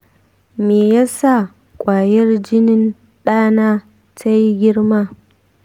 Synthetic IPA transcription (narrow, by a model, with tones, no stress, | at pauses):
meː˨ja˦sa˦˨ | kʷʼaː˨jɛ˦rd͡ʒɪ˦nɪ˦n | ɗaː˦naː˦ | ta˦ji˦ɡʲɪ˦ɽmaː˦˨